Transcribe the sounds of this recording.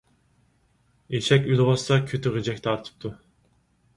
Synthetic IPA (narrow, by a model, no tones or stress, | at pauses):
eʃɛkʲylˠɨbɑsɑkʲʰøt̪ʰyʁød͡ʒɛk̚ʲt̪ʰɑɾt̪ʰɯ̥p̚t̪ʰu